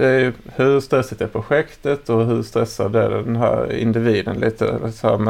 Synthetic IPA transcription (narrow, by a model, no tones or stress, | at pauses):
d̪ɛæɾjɵhɵɾst̪ɾɛsɪt̪æɾpʰɾʊɧɛkt̪ət̪ɔɦɵɾst̪ɾɛsːa̰d̪æɖɛd̪ɛnɦæ̰ːɾɪ̰nd̪ɪviːd̪ənlʔiːt̪ʰə̰shæmɛ